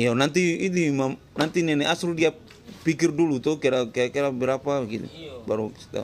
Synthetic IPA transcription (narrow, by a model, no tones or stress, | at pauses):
ijanant̪iːdimam | nant̪inɛnɛasuldia | pikɪrdulut̪ɔkɛɾakɛakɛɾabɛɾapabɡit̪ṵbaɾust̪a̰